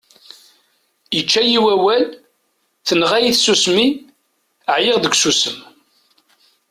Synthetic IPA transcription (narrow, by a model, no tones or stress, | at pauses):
jət͡ʃːæjiwæwæl | θənʁæjiθsusmi | əʕjeʁðəɡʷsusəm